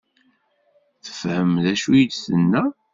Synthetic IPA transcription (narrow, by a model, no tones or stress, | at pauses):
θə̥fhəmðæʃujəd̪sənːæ